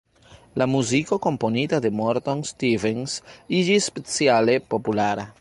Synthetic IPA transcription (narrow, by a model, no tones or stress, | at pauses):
lamuzikoko̞mponit̪ad̪e̞moɾt̪onst̪ivensid͡ʒisːpet͡sjalepopulaɾa